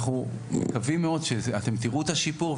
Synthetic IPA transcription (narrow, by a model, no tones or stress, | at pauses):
χu | mekavimeo̞d̪ʃeat̪e̞mt̪iʁuet̪aʃipuʁ